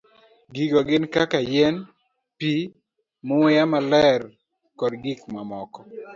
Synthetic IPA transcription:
ɡiɡoɡɪnkakajɛn | pi | mʊwɪjamalɛr | kɔdɡikmamɔkɔ

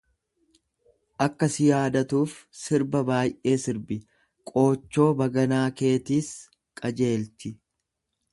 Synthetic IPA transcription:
ʔɐkːɐsɪjaːd̪ɐt̪uːfsɪɾbɐbaːjʔe̞ːsɪɾbɪ | kʼo̞ːt͡ʃːo̞ːbɐɡɐnaːke̞ːt̪iːs | kʼɐd͡ʒe̞ːlt̪ɪ

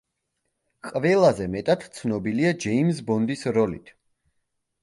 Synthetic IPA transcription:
qʼvɛlˠazɛmɛt̪ʼat̪t̪sʰnɔbiliad͡ʒɛimsbɔnd̪isɾɔlḭt̪ʰ

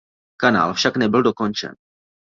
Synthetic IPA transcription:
kana̰ːlfʃaknɛbɪldo̞ko̞nt͡ʃɛ̰n

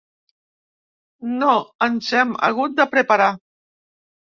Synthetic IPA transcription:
noənzɛmə̰ɣut̪̚d̪əpɾəpəɾa

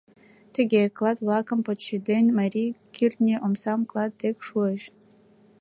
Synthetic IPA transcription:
t̪ʰɨɡʲeklˠɑt̪vlˠɑkəmpot̪ʃid̪enʲmɐɾʲikʲʰirt̪nʲeʔomsɑmklˠɑd̪̚ːekʂueʃ

